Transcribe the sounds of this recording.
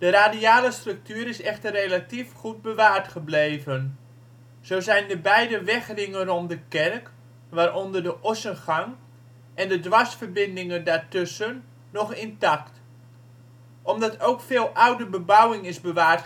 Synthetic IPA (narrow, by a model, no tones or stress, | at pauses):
d̥əraːdiaːləstrɵk̚tyːɾɪsɛxtərːejlatifχud̚bəʋaːrtχəblejvən | z̥owzɛjndəbɛjdəʋɛxrɪŋənrɔmdəkɛrk | ʋaːɾɔndərdəʔɔsənχaŋ | ʔɛndədʋasfərbɪndɪŋəndaːɹtøsənː | ɔχɪntakt | ʔɔmdɑtʰowkfɪːlˠʔawdəbəbawɪŋɪsbəʋaːrt